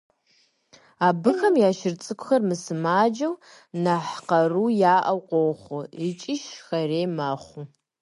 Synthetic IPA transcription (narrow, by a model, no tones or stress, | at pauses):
aːbɨxɐmjaːʃɪrt͡sʼɨkʷʰʼʊxɐrmɨsɨmaːd͡ʒɐw | naħqɐruːjaːʔɐwqʷowχʷʊit͡ʃʼɪʃxɐreːmaːχʷu